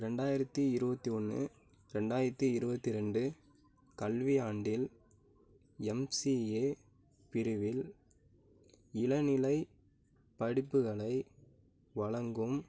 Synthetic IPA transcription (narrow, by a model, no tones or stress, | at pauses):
ɾɛɳɖaːjɪɾɐt̪ːiɪɾɯbɐt̪ːiɔnːɯ̰ | ɾɛɳɖaːjɪɾɐt̪ːiɪɾɯbɐt̪ːɪɾɛɳɖɯ | kɐlʋɪaːɳɖɪl | ɛmsieː | pɪɾɯʋɪl | ɪlɐnɪlɐɪ | pɐɽɪpːɯɣɐɭɐɪ | ʋɐɭɐŋɡɯm